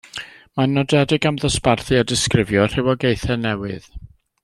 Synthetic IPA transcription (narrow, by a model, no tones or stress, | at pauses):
manɔdɛdɪɡamðəsparθɨadɪskrɪvjɔr̥ɪwɔɡejθɛnɛwɨð̥